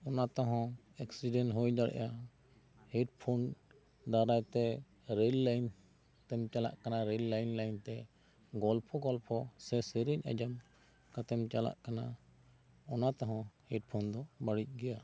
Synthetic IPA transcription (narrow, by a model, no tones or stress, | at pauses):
ɔnat̪ɔɦɔ̃ | ɛksiɖɛnɦojd̪aɽɛ̰ʔa | hɛʈpʰon | d̪aɾajt̪ɛ | ɾelːajn | t̪ɛmt͡ʃala̰ʔkanaɾɛlːajnlajnt̪ɛ | ɡɔlpʰɔɡɔlpʰɔsɛsəɾiɲa̰d͡ʒam | kat̪ɛmt͡ʃala̰ʔkana | ɔnat̪ɔɦɔ̃hɛʈ̚pʰɔnd̪ɔbaɽic̚ɡɛja